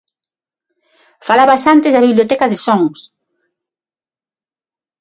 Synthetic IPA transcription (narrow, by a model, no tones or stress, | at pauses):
falaβɐsant̪ɪzðɐβiβlijot̪ɛkɐðɪsɔŋs